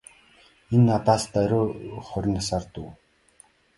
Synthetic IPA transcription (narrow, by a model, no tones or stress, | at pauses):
enːat̪aːst̪æɾʲoːχɔɾʲɪ̆nasaːrt̪uː